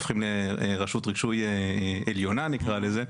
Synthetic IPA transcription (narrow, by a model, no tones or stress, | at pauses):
fχimleʁaʃutʁi̥ʃujeeljo̞nanikʁaleze